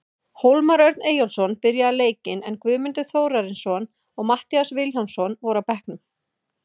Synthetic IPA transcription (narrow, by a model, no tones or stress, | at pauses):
howlmaɾœɥjɾt̪neːjɔlsɔnpɪɾjaðaleːjcɪnɛnkvʏːmʏnt̪ʏθoːwɾaɾɪnsɔn | ɔɣmaht̪iasvɪlɔwnsɔnvɔɾawpɛhknʏm